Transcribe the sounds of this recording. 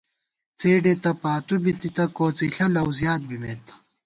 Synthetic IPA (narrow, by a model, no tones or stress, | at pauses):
t͡seːɖet̪ɐpaːt̪ubit̪it̪ɐkoːt͡siɬɐlɐwzjaːt̪̚bimet̪